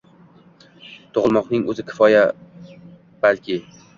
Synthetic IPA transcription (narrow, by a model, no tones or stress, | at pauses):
t̪ʰoʁlˠmɒqnɪŋɵzɪkʲʰɪ̥fɒja | b̥alkʲʰɪ